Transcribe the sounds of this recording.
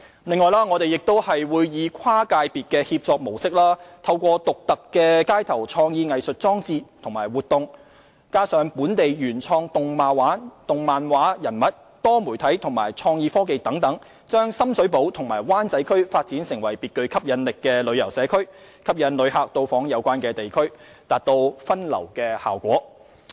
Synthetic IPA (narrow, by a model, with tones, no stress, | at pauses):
lɪ˨ŋːɔː˨˧jlaː˥ŋɔː˨˧t̪e˨jɪ˨k̚t̪o˥whɐ˨jwuː˨˧jjiː˨˧kʷʰaː˥kaː˧jpiː˨t̚kɛː˧hiː˧p̚t͡sɔː˧k̚mo˨˩wsɪ˥k̚laː˥t̪ʰɐ˧wkʷɔː˧t̪ʊ˨k̚t̪ɐ˨kːɛː˧kaː˥jt̪ʰɐ˨˩wt͡sʰɔː˧ŋjiː˧ŋɐ˨jsɵ˨t̚t͡sɔː˥ŋt͡siː˧t̪ʰʊ˨˩ŋmaː˨˩jwuː˨t̪ʊ˨ŋ | kaː˥sœː˨˧ŋpuː˨˥nt̪e˨jjyː˨˩nt͡sʰɔː˧ŋt̪ʊ˨ŋmaː˨˧waː˨˥t̪ʊ˨ŋmaː˨nwaː˨˥jɐ˨˩nmɐ˨t̚ | t̪ɔː˥muː˨˩t̪ʰɐ˨˥jt̪ʰʊ˨˩ŋma̰ː˨˩jt͡sʰɔː˧ŋjiː˧fɔː˥ke˨jt̪ɐ˨˥ŋt̪ɐ˨˥ŋ | t͡ʃœː˥ŋsɐ˥msɵ˨˥ɥpo˨˥wt̪ʰʊ˨˩ŋmaː˨˩jwaː˥nt͡sɐ˨˥jkʰɵ˥ɥfaː˧t̚t͡siː˨˥nsɪ˨˩ŋwɐ˨˩jpiː˨t̚kɵ˧ɥkʰɐ˥p̚jɐ˨˧nlɪ˨kːɛː˧lɵ˨˧ɥjɐ˨˩wsɛː˨˧kʰɵ˥ɥ | kʰɐ˥p̚jɐ˨˧nlɵ˨˧ɥhaː˨k̚t̪o˧wfɔː˨˥ŋjɐ˨˧wkʷwaː˥nkɛː˧t̪e˨jkʰɵ˥ɥ | t̪aː˨t̚t̪o˧wfɐ˥nlɐ̰˨˩wkɛː˧ha̰ː˨˩wkʷɔ̰ː˨˥